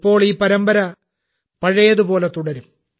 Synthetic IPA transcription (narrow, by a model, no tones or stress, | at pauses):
pːo̞ːɭiːpɐɾɐmbɐɾɐ | pɐɻɐjɐðupo̞ːle̞t̪uɽɐɾum